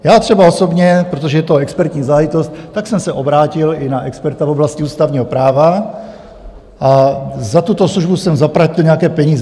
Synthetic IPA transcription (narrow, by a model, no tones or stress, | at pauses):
jaːt̪r̝̥ɛbaoso̞bɲɛpɾot̪oʒɛjɛt̪oɛkspɛɾt̪ɲiːzaɦajɪt̪ost̪ːaksɛmsɛʔobɾaːcɪlɪnaʔɛkspɛɾt̪avoblascɪuːst̪avɲiːɦopɾaːva | ʔazat̪ut̪o̞sluʒbusɛmzapɾacɪlɲɛakɛːpɛɲiːzɛ